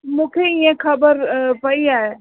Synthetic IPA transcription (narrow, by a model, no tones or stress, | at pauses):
mũːkʰeɪjẽkʰɐbəɾpɐiaːe